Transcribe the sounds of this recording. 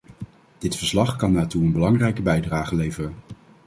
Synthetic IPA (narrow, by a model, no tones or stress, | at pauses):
d̥ɪtfəɹslɑχkɑnːaːtuənbəlɑŋrɛjkəbɛjdraːχəlejvərən